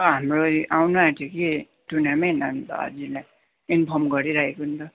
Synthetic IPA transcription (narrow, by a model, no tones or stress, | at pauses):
ʌɦamroʔawnuat̪ʰiki | tunamenʌntːd͡zila | inpʰʌmɡʌɾiɾaekont̪ʌ